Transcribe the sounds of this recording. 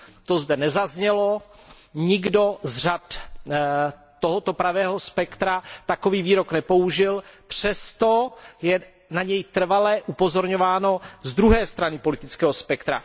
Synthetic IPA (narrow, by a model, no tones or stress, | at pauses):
t̪o̞zdɛnɛzazɲɛlo̞ | ɲɪɡdo̞zr̝at̪ | t̪oɦot̪opɾavɛːɦo̞spɛkt̪ɾat̪ako̞viːviːɾo̞knɛpo̞uʒɪlpr̥ɛst̪ojɛ | naɲɛjt̪r̩valɛʔupozoɾɲovaːno̞zd̪ɾuɦɛːst̪ɾanɪpo̞lɪt̪ɪt͡skɛːɦospɛkt̪ɾa̰